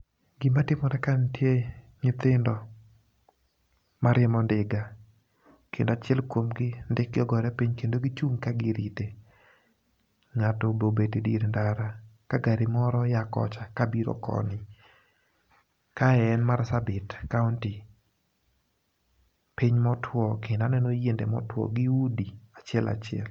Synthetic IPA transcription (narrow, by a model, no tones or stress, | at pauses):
ɡɪmatɪmɔɾɛkantje | ɲɪt̪ɪndɔ | maɾʔɪmɔndɪɡa | kʰɪndat͡ʃɪɛlkwomɡɪndɪk̚ɡɪɔɡɔɾɛpiɲkendoɡɪt͡ʃuŋkaɡɪɾite | ŋatɔbobetidiɾndaɾakaɡaɾɪmɔɾɔjakɔ̰t͡ʃakabiɾɔ̰kɔ̰nɪ | kaɛɛnmarsabɪtkaunti | piɲmɔtʰwɔkɪnanɛnojendɛmɔ̰twɔ̰ɡɪudiat͡ʃɪɛlʔa̰t͡ʃɪɛ̰l